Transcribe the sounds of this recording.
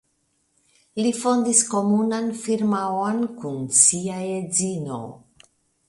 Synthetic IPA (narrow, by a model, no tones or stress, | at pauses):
lifo̞ndisko̞munanfiɾmawonkunsiaed͡zino̞̰